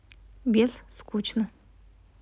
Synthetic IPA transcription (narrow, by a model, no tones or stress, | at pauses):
bʲeɮskʰut͡ɕʰnə